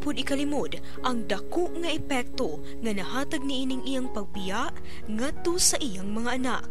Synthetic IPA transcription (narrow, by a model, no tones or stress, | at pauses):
pʊd̪ɪkɐlɪmod̪ | ʔɐŋd̪ɐkoʔŋɐʔɛpɛk̚t̪o̞ | ŋɐnɐɦaːt̪ɐɡ̚niʔiːnɪŋʔijaŋpɐɡ̚bɪjaʔ | ŋat̪ːo̞sɐʔijaŋmɐŋaʔɐna̰k̚